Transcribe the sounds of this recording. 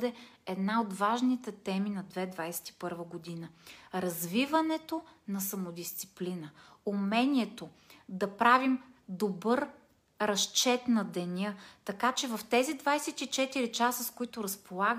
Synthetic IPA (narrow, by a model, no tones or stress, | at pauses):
d̪ɛɛd̪naod̪vaʒnit̪ɛt̪ɛminɐd̪vɛd̪vajsɛ̥t̪i̥pɤɾvəɡod̪inəɾɐzvivɐnɛt̪onɐsɐmod̪ist̪si̥plinəumɛniɛt̪o | d̪ɐpɾavimd̪obɤɾ | ɾɐst͡ʃɛt̪nɐd̪ɛnʲɤt̪ɐkat͡ʃɛvɐft̪ɛzid̪vajsɛt̪it͡ʃɛt̪iɾit͡ʃasəskoit̪ʊɾɐspolˠaɡ